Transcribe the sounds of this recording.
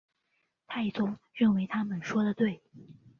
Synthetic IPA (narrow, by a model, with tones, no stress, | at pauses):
t̪ʰa˥˩i˨˩t͡sʊ˥ŋ | ɻə˥˩nwe˧˥ɪt̪ʰa˥mə˨nʂwɔ˥d̪ə˨t̪we˥˩ɪ